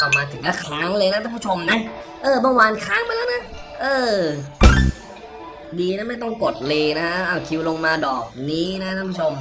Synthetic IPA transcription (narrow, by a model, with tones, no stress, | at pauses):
ka˨˩maː˧t̪ʰɯ˩˦ŋla˦˧˥kʰlaː˦˥ŋlɤː˧jna˦˥aː˥pʰu˥˩t͡ɕʰo˧mna˦˥ | ʔɤː˧˩bɔː˧ŋwaː˧nkʰaː˦˥ŋma˧lɛː˦˥na˦˥ | ʔɤː˧˩ | diː˧na˦˥ma˥˩jt̪ɔ˥˩ŋko˨˩t̪̚leː˧na˦˥ʔʔaː˧˩kʰi˧wlo˧ŋmaː˧dɔː˨˩k̚niː˦˥na˦˥k̪ʰa˥˩pʰu˥˩t͡ɕʰo˧m